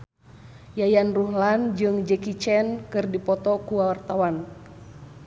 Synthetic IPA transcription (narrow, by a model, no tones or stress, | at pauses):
jajanruhland͡ʒɨŋd͡ʒɛkit͡ʃɛnkɨrdipɔt̪ɔkuwawart̪awan